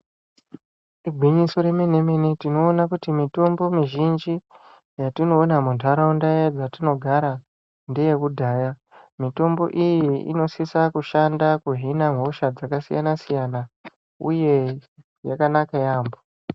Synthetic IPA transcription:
iɡʱwiɲiso̞ɾeminemenitino̞ːnakutimito̞mbo̞miʒind͡ʒi | jatino̞ːnamundʱaɾaundajad͡zatino̞ɡʱaɾa | ndeje̞kudʱaːja | mito̞mbo̞ʔijiḭno̞sisakuʃandakuɦinamɦo̞ʃad͡zakasija̰nasijana | ṵje̞ | jakanakajaːmbo

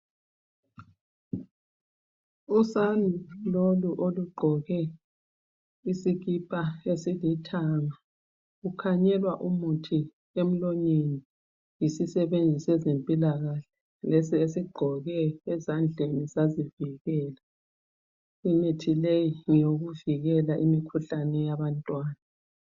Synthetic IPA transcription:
usanʱuloluʔoluɡ͡ǃʱɔɣɛ | isiɣipʼaesilitʰaːŋa | ukʰaɲɛlwaʔumutʰi | em̩lɔɲeni | jisisɛβend͡zʱisɛzempʼilaɣaɬɛ̥ | lesiesiɡ͡ǃʱɔɣɛːzand͡ɮʱenizaziviɣɛːla | inetʰilejiŋjoɣuviɣɛlaʔimikʰuɬanɛjaβantʼwaːna

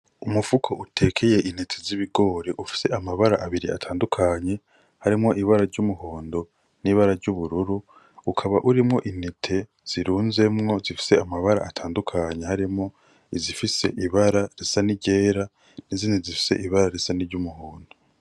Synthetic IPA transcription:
umufukʰo̞ʔutʰe̞ːkʰe̞je̞ʔinetʰeziβiɡo̞ːɾeʔufi̥se̞amaβaɾaʔaβiɾia̰tʰaːndukʰaɲe̞ | haɾimŋo̞ʔiβaɾaɾɟumuhoːndo̞ | niːβaɾaɾɟuβuɾuɾu | ukʰaβaʔuɾimŋo̞ʔinetʰe̞ | z̥iɾuːnze̞mŋo̞zifi̥se̞amaβaɾa̰ːtʰaːndukʰaɲe̞haɾimŋo̞ | izifise̞̰ʔiβaɾaɾesaniɟe̞ːɾa | niziːnizifi̥se̞̰ʔiβaɾaɾesaniɾɟumuhoːndo̞

